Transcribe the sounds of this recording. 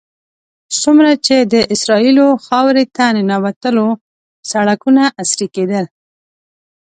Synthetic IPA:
sumɾat͡ʃed̪əʔɪsɾɑiloxɑwɾet̪annawat̪əlo | saɽakunaʔasɾiked̪əl

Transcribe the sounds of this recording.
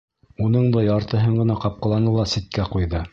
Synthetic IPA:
unɤɴd̪ɑjɑɾt̪ɤ̆ɦɤɴɢɤ̆nɑqɑp̚qɑ̆lˠɑnɤlˠɑsit̪̚kæqujðɤ

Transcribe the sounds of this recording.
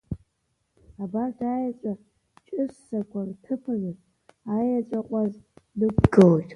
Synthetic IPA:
abartʰaːjat͡ʃʷʼa | t͡ʃʼɪsːakʷʰartʰɨpʰɨrɨtʼ | ajat͡ʃʷʼaqʷʼaznɨkʷɡɨltʼ

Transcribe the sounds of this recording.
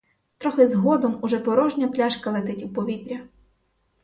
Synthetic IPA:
t̪ɾɔxɪzɦɔd̪ɔmuʒɛpɔɾɔʒnʲɐplʲaʃkɐlˠet̪ɪtʲuwpɔʋʲit̪ɾʲɐ

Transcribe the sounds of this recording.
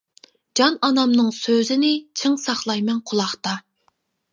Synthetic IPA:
d͡ʒɑnɑnɑmnɨŋsøzɪnɪt͡ʃʰɪŋsɑχlˠɑjmɛnqʰʊlˠɑχt̪ɑ

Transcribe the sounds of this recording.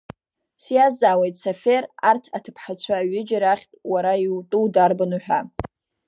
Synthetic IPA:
sjazaːwejtʼsaferartʰatʰɨpʰħat͡ɕʷʰaːɥɪd͡ʒaɾaχʲtʼwaɾaiwtʼuwdarbanuħʷᶣa

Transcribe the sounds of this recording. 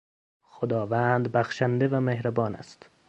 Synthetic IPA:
xod̪ɒːvænd̪bæxʃænd̪evæmehɾæbɒːnæ̰st̪

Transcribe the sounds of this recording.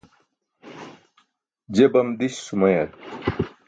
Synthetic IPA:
d͡ʑebɐmd̪iɕsumɐjɐt̪

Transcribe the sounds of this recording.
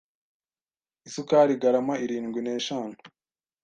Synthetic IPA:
isukaɾiɡaɾamaiɾiːŋɡwine̞ːʃaːnu̥

